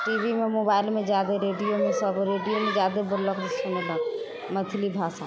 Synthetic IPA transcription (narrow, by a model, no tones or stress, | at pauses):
ʈiːʋimẽmoːbaːɪlmẽd͡ʒjaːd̪eɾeːɖijomẽsɐbɾeːɖijomẽd͡ʒjaːd̪ebʊɾlɔkd̪ɪsomɪlã | mɐt̪ʰɪlibʱaːsa